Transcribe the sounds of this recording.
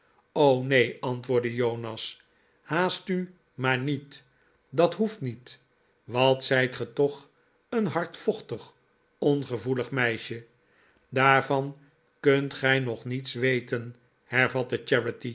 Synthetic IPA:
ownejɑntʋʊːɹdəjownɑs | haːsty | maːɹnit | dɑtɦuftnit | ʋɑtsɛjtχətɔχ | ənɦɑɹtfɔχtəχ | ɔnχəvuləχmɛjʃə | daːɹvɑn | kɵntχɛjnɔχnitsʋejtən | hɛɹvɑtət͡ʃɛɹəti

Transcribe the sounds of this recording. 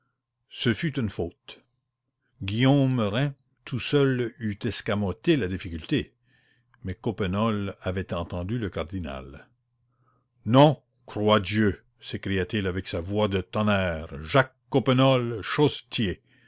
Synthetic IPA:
səfyt̪ynfoːt̪ | ɡʲijoməʁɛ̃ | t̪ʰusœlyt̪ɛskamɔt̪elad̪ifikʲylt̪e | mɛkopənɔlavɛt̪ɑ̃t̪ɑ̃d̪yləkaʁd̪ina̰l | nɔ̃ | krwad̪jø | sekɾijat̪ilavɛksavwad̪ət̪ɔnɛːʁʒakːopənɔlʃost̪je

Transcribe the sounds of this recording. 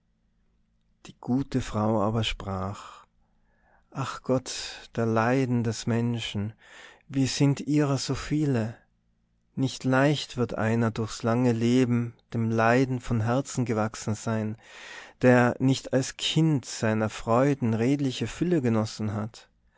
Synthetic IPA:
d̥iːɡ̥uːtəfʁ̥aʊa̰ːbɐʃpʁ̥aːx | ʔaχɡ̥ɔtd̥eːɐlaɪdn̩dɛsmɛnʃn̩viːɐz̥ɪntʔiːʁɐz̥oːfiːlə | nɪçtlaɪçtv̥ɪɐtʔa̰ɪnɐdʊɐçslaŋəleːbm̩d̥eːmlaɪdn̩fɔnɦɛɐt͡sn̩ɡəvaksn̩zaɪnd̥eːɐnɪçtalskʰɪntz̥aɪnɐfʁ̥ɔʏdn̩ʁeːtlɪçəfʏləɡənɔsn̩ɦat

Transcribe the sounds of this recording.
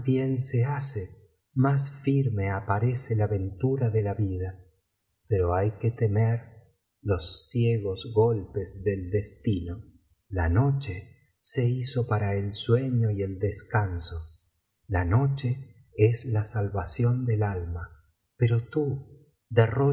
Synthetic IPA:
bjensease | masfiɾme̞apaɾeselaβe̞nt̪uɾaðelaβið̞a | peɾo̞ajket̪emeɾ | lo̞sːjeɣozɣo̞lpezðe̞ld̪est̪ino̞ | lano̞t͡ʃe | se̞iso̞paɾaelswe̞ɲoield̪eskanso | lano̞t͡ʃe̞ | eslasalβasjo̞nd̪elalma | peɾo̞t̪u | d̪ero

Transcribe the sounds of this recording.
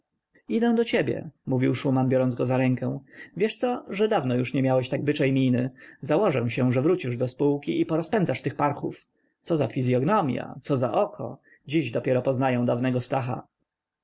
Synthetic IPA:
id̪ɛ̃w̃d̪ɔt͡ɕebʲjɛ̰muvʲiwʂumanbʲjɔɾɔnzɡɔzaɾɛŋkɛ̃w̃vʲjɛʂt̪sɔʐɛd̪avnɔjuʂɲɛmʲjawɛɕt̪aɡ̚bɘt͡ʂɛjmʲinɘzawɔʐɛ̃w̃ɕɛ̃ʐɛvɾut͡ɕiʐd̪ɔspuwkʲiʔipɔɾɔspɛnd̪zaʂt̪ɘxpaɾxṵf | t̪sɔzafʲizʲjɔɡnɔmʲja̰t̪sɔza̰ʔɔkʰɔ̰ | d͡ʑiʑd̪ɔpʲjɛɾɔpɔznajɛ̃w̃d̪avnɛɡɔst̪axa̰

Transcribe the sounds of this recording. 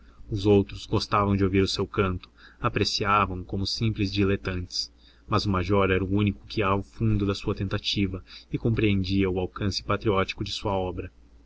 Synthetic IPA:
ʊzowt̪ɾʊzɡost̪avɐ̃w̃d͡ʒɪowviɾʊsewkɐ̃nt̪ʊ̥apɾesiavɐ̃w̃kõmʊsĩmplɪzd͡ʒilet̪ɐ̃nt͡ʃɪ̥s | mɐzʊmaʒɔɾɛɾɐuũnikʊ̥kɪavʊfũnd̪ʊd̪ɐsuɐt̪ẽnt̪at͡ʃivɐɪkõmpɾiẽnd͡ʒiɐʊawkɐ̃sɪ̥pat̪ɾiɔt͡ʃi̥kʊd͡ʒɪsuɐɔbɾɐ

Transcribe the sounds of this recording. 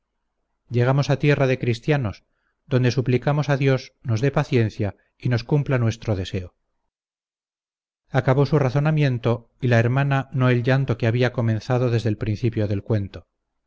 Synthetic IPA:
ɟ͡ʝe̞ɣ̞amosat̪je̞raðe̞kɾist̪jano̞s | ðo̞nd̪e̞suplikamo̞saðjo̞zno̞zðepaθje̞n̟θja | ino̞skumplanwe̞st̪ɾoðe̞se̞o | akaβo̞suraθo̞namje̞nt̪o̞ | ilaeɾmanano̞e̞lʲʝant̪o̞keaβiako̞mẽ̞nθaðo̞ðe̞zðe̞lpɾinθipjo̞ðe̞lkwe̞nt̪o̞

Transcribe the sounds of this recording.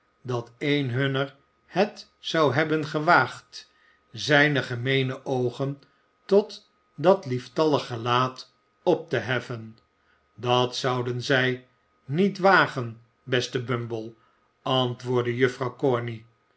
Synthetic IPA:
dɑtejnɦɵnəɹ | hət | sɑwɦɛbənχəʋaːχt | zɛjnəχəmejnəʔowχən | tɔt | dɑtliftɑləχəlaːt | ɔp̚təɦɛfən | dɑtsɑwdənzɛj | nitʋaːχən | bɛstəbɵmbəlˠ | ɑntʋʊːɹdəjɵfrɑwkɔɹni

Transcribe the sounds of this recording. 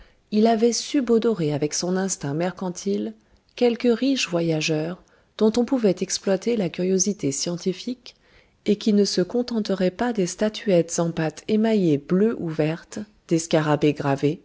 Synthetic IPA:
ilavɛsybɔd̪ɔʁeavɛksɔ̃nɛ̃st̪ɛ̃mɛʁkɑ̃t̪ʰil | kʲɛlkəʁiʃvwajaʒœʁ | d̪̥ɔ̃t̪ɔ̃puvɛt̪ɛksplwat̪elakʲyʁjozit̪esjɑ̃t̪ifik | ekʲinəsəkɔ̃t̪ɑ̃t̪əʁɛpad̪est̪at̪ʰyɛt̪z̥ɑ̃pat̪ʰemajebløʔuvɛʁt̪ | d̪̥eskaʁabeɡʁave

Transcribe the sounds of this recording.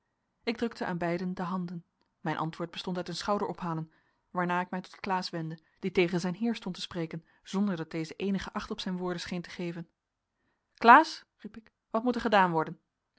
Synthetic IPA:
ɪɡ̚drɵk̚təʔa̰ːnbɛjdəndəɦɑndən | mɛjnʔɑ̰ntʋʊːɹd̚bəstɔntœtənsχɑwdəɹʔɔpɦaːlən | ʋaːɹnaːɪk̚mɛjtɔ̥tklaːsʋɛndə | d̥itejχənzɛjnɦɪːɹstɔntə̥sprejkən | z̥ɔndəɹdɑd̚d̥ejzəʔejnəχəʔɑχtɔpsɛjnʋʊːɹdənsχejntə̥χejvən | klaːsripɪk | ʋɑtmutəɹχədaːnʋɔɹdən

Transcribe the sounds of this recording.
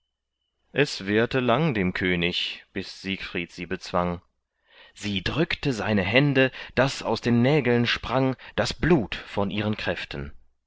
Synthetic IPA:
ʔɛsv̥eːɐtəlaŋdeːmkʰøːnɪçb̥ɪsz̥iːkfʁ̥iːtz̥iːbət͡sv̥aŋ | z̥iːdʁʏktəzaɪnəɦɛndəd̥asa̰ʊsd̥eːnːɛːɡl̩nʃpʁ̥aŋd̥asb̥luːtfɔnʔiːʁənkʁ̥ɛftən̩

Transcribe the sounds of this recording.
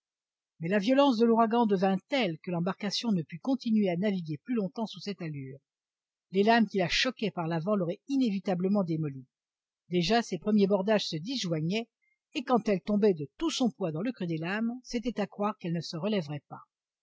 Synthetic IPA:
mɛlavjɔlɑ̃sd̪əluʁaɡɑ̃d̪əvɛ̃t̪ɛlkəlɑ̃baʁkasjɔ̃nəpykɔ̃t̪inɥeanaviɡʲeplylɔ̃t̪ɑ̃susɛt̪alyːʁ | lelamkʲilaʃɔkʲɛpaʁlavɑ̃lɔʁɛinevit̪abləmɑ̃d̪emɔli | d̪eʒasepχəmjebɔʁd̪aʒsəd̪iʒwaɲɛː | kɑ̃t̪ɛlt̪ɔ̃bɛd̪ət̪usɔ̃pwad̪ɑ̃ləkχyd̪elamset̪ɛt̪akχwaʁkɛlnəsəʁəlɛvʁɛpa̰

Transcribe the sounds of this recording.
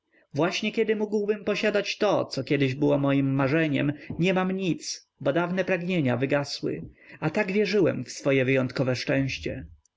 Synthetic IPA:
vwaɕɲɛkʲɛd̪ɘmuɡwbɘmpɔɕad̪at͡ɕt̪ɔt̪sɔkʲɛd̪ɘʑbɘwɔmɔjimːaʐɛɲɛ̰mɲɛmamɲit̪s | bɔd̪avnɛpɾaɡɲeɲavɘɡaswɘ̰at̪aɡvʲjɛʐɘwɛ̰mfsfɔjɛvɘjɔnt̪̚kɔvɛʂt͡ʂɛ̃w̃ɕt͡ɕɛ̰

